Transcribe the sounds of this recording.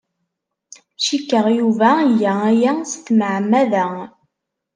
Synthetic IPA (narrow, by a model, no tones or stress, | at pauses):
ʃikːəʁjuvæjːææjæst̪məʕmːæðæ